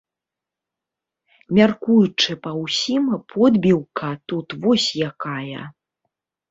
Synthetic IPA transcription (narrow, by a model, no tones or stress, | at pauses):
mʲarkujut͡ʂɨpɐwsʲimɐpʰɔd̪bʲiwkɐt̪ut̪vɔsʲjakajɐ̰